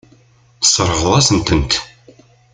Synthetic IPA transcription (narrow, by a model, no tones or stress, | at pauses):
θə̥sˤːəɾˤəʁðˤæsənt̪ənt̪